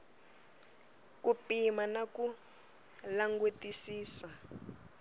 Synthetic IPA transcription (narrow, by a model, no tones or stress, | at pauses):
kupimanaku | laŋɡutisiːsa